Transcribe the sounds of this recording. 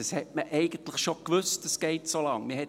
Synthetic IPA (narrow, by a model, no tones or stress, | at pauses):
ɑshɛtməʔɛɪɡ̥ən̩tləχʃokʋʏstd̥ɑsɡ̥ɛɪtsolɑŋmɪhɛ